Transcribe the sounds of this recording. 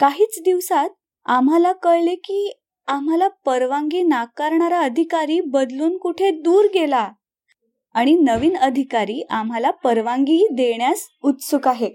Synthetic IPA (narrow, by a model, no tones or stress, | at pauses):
kaɦiːt͡sd̪iʋsat̪̚ | am̤alakəɭlekiː | am̤alapəɾʋaŋɡiːnakaɾɳaɾaəd̪ʱikaɾiːbəd̪luːnkuʈʰed̪uːɾɡela | aɽ̃inəʋiːnəd̪ʱikaɾiːʔam̤alapəɾʋãŋɡiːd̪eɳjas | ut̪sukaɦe